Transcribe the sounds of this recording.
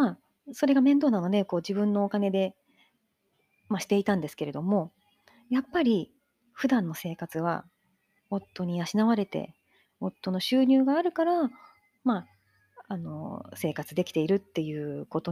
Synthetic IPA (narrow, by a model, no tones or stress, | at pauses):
a | so̞ɾe̞ɡamẽ̞nd̪o̞ːnano̞d̪e̞ko̞ːd͡ʑibɯ̟̃nːo̞ːkane̞d̪e̞ | maɕi̥t̪e̞it̪ãnd̪e̞sɨ̥ke̞ɾe̞d̪o̞mo̞ | japːaɾʲi | ɸɯ̟d̪ãnːo̞se̞ːkat͡sɨβ̞a̰ | hõ̞t̪ːo̞ɲ̟iaɕinaβaɾe̞t̪e̞̰ | hõ̞t̪ːo̞no̞ɕɨːɲ̟ɨːɡaːɾɯ̟kaɾa | maː | no̞̰se̞ːkat͡sɨd̪e̞kʲi̥t̪e̞iɾɯ̟t̪ːe̞jɯ̟ːko̞t̪o